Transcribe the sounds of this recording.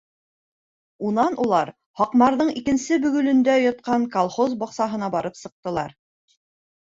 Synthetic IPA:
unɑnʔulˠɑɾ | hɒqmɑɾðɤɴikɘ̆nsɘbɵ̆ɡɵ̆lɵ̆nd̪æjŏt̪̚qɑɴkɐlˠχozbɒqsɑɦɤ̆nɑbɑɾɤpsɤ̆q̚t̪ɤ̆lˠɑ̰ɾ

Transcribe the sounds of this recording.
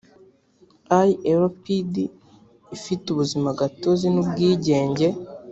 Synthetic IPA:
ajeɾopidi | ifituβuzimaɡatozinubɡiːɟe̞ːɲɟe̞

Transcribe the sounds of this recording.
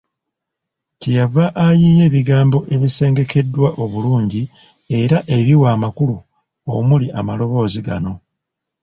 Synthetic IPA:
tijavaʔːjiːje̞ːβiɡaːmbo̞ʔe̞βise̞ːŋɡe̞ke̞dːwaʔo̞βuluːɲɟi | e̞ɾaʔe̞βiwaːmakulu | omuliʔamalo̞βo̞ːziɡa̰no̞

